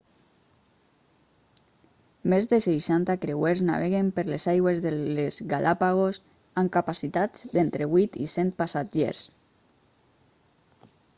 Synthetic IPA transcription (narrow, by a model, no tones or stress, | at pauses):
mezðesejʃant̪akɾeweɾzna̰βeɣempeɾlezajɣwezðelezɣalʔapaɣ̞os | aŋkapasit̪ad͡zd̪ent̪ɾeβujt̪isɛnt̪̚pasad͡ʒḛɾs